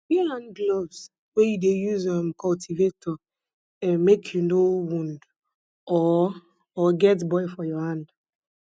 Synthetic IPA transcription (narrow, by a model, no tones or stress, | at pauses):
biãndlɔvs | wɛjudejuzɔmkʰɔltʰivetɔ | ɛmekʰjunowũnd | ɔː | ɡɛtbɔɪfɔjɔhãnd